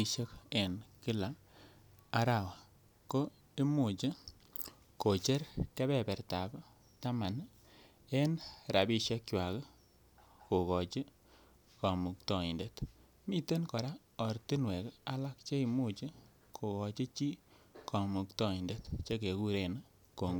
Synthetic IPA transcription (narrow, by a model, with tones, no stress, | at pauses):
i˧ʃe˦ke˨nkɪ˦la˨ | a˦ɾa˦˨wa˨ | ko˦ | e˦mu˨t͡ʃi˦ | ko˨t͡ʃe˦ɾke˦bɛ˦bɛ˨ɾta˨b | ta˦ma˨n | e˦nɾa˨bi˦ʃe˦kt͡ʃwa˨k | ko˨kɔ˨t͡ʃi˦ | kɔ˨mu˨ktɔ˨i˨nde˨t | mi˦te˦nkɔ˨ɾa˦ | ɔ˨ɾti˦nwe˨ka˦la˦kt͡ʃe˦i˨mu˦t͡ʃi˦ | kʰo˨kɔ˨t͡ʃi˦t͡ʃi˦ | kʰɔ˨mu˨ktɔ˦i˨nde˨tt͡ʃe˦ke˨ku˦ɾe˨n˦ | ko˨ŋ˦